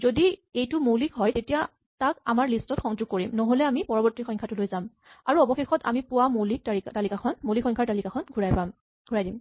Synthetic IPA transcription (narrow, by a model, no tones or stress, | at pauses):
zodiejtʊmolikɦɔjtetija | taka̰maɹlistɔtxɔŋd͡ʒuɡ̚koɹimnɔɦolɛamipɔɹɔbɔɹtixɔŋkʰatʊlojzam | aɹuɔbɔxexɔta̰mipʊwamolik̚taiktalikaxʰɔnmolikxʰɔ̃ŋkʰaɹtalikaxʰɔnɡʱuɹajpam | ɡʱuɹajdim